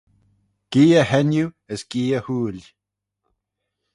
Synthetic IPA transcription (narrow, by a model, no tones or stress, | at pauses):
ɡ̥iːəhɛnju | əsɡ̥iːəhuːl